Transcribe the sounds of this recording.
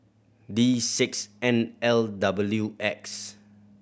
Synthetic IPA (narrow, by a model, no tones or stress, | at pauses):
disɪksɛ̃nɛldabəljuʔɛks